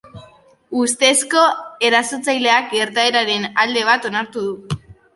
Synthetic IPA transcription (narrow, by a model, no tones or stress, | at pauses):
ust̪e̞sko̞e̞ɾasot͡sajle̞ak̚ɡe̞ɾt̪ae̞ɾaɾe̞nald̪e̞β̞at̪o̞naɾt̪uð̞u